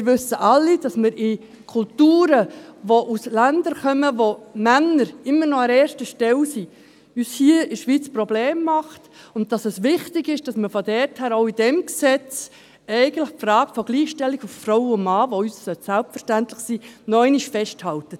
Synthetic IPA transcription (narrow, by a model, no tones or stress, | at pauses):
mɪɾʋʏsəʔɑlːid̥ɑsməɾɪ | kʰʊltuːɾəʋoʔuslændəɾkœməʋomænəɾɪmːənɔɑɾɛːɾʃtəʃtɛlsi | yːshiəɪʃʋit͡sprɔbleːmːɑχt | ʊnt̚d̥ɑsɛsʋɪχtɪɡɪʃd̥ɑsməfodɛrthæːɾoʊid̥ɛmksɛt͡s | ɛɪɡəntləχpfrɑːɡəfɔɡ̥liːχʃtɛlːiɡuffroʊʊmɑːʋoyːssœtsælp̚tfəʃtæntləχsinɔɛɪnɪʃfɛʃthɑltə